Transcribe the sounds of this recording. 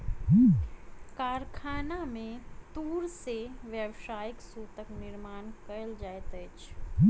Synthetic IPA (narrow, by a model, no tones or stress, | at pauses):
kaɾkʰanamẽt̪uːɾseʋjəwʃajiksut̪əknɪɾmaːnkəld͡ʒajt̪ət͡ʃʰ